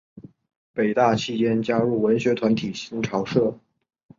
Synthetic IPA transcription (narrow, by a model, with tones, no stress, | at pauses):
pe˨˩ɪt̪a˥˧t͡ɕʰi˥˩t͡ɕjɛ˥nt͡ɕja˥ɻu˥˩wə˧˥nɕɥɛ˧˥t̪ʰwa˧˥nt̪ʰi˨˩ɕi˧˥ŋʈ͡ʂʰɑ˧˥ʊʂɤ˥˩